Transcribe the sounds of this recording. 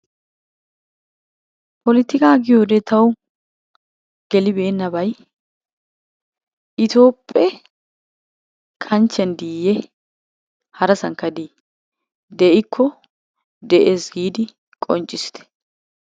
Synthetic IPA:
pɔlɪt̪ːɪkaːɡɪjoːd̪ɛt̪ʰɐw | ɡ̥ɛlɪbe̞ːnːɐbɐj | ʔɪt̪o̞ːpʼːɛ | kʰɐnt͡ʃːɛnd̪iːjːɛ | hɐɾɐsɐŋkːɐd̪i | d̪ɛʔɪkʰːɔ | d̪ɛʔeːsɡiːd̪ɪ | kʼɔnt͡ʃʼːɪsɪ̥t̪ɛ̥

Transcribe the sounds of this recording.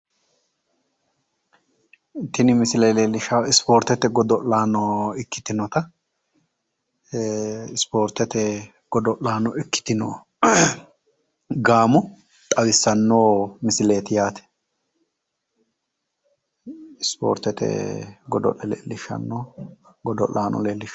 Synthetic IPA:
t̪ɪnɪmɪsɪleːlelɪʃaɪspoːɾt̪ɛt̪ɛɡɔd̪ɔʔlaːnɔɪkːɪ̥t̪ɪnɔt̪ɐ | ɪspoːɾt̪ɛt̪ɛ | ɡ̥ɔd̪ɔʔlaːnɔɪkːɪ̥t̪ɪnoː | ɡaːmʊ | t̪ʼɐwɪsːɐnːoːmɪsɪleːt̪ɪjaːt̪ɛ̥ | ɪspo̰ːɾt̪ɛt̪ɛ̰ɡɔd̪ɔ̰ʔɛlḛːlːɪʃːɐ̰nːoːɡɔd̪ɔ̰lːaːnɔ̰leːlːɪʃ

